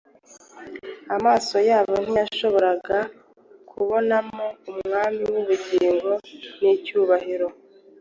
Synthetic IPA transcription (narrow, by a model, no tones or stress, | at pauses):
amaːso̞jaːβo̞n̥ijaʃo̞βo̞ɾaɡa | kʰuβo̞namo̞umŋŋaːmiwuβuɟiːŋɡo̞nicuːβahiɾo̞